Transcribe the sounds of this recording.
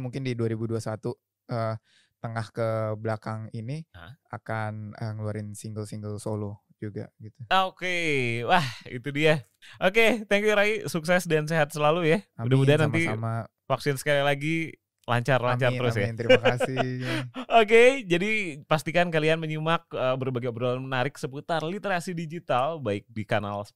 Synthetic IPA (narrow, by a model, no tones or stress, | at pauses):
muŋkɪndiduaɾibuduasat̪u | əm | t̪əŋahkəblakaŋinia̰kanəŋəluaɾɪnsiŋɡəlsiŋɡəlsolo | d͡ʒuɡa̰ɡit̪uokewahḭt̪udia | ʔoket̪ɛŋkjuɾaisuksɛsdanseɦat̪̚səlalujaudaudanant̪ima | faksɪnsə̥kalilaɡi | la̰ɲt͡ʃarlaɲt͡ʃart̪əɾʊsjat̪əɾimakasi | oked͡ʒadipast̪ikankalianməɲumak̚əːbərbaɡiobdalanmənaɾɪksəput̪arlit̪eɾasidid͡ʒit̪albaɪk̚dikana̰ls